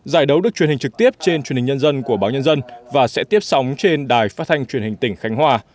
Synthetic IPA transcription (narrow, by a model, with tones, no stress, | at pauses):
zaː˧˩jɗə˨˦wɗɨ˨˩k̚t͡ɕi˨˩ənhŋ̟t͡ɕɨ˨˩k̚t̪i˦˥əp̚t͡ɕe˧nt͡ɕwi˨˩nhi˨˩ŋɲə˧nzə˧nku˧˩əɓaː˨˦wɲə˧nzə˧nvaː˨˩sɛ̰˧˥t̪i˦˥əp̚sa˨˦wŋ͡mt͡ɕe˧nɗaː˨˩jfaː˦˥t̚t̪ʰa˧jŋ̟t͡ɕwənhï˨˩ŋ̟t̪ï˧˩ŋ̟xa˨˦jŋ̟hwaː˧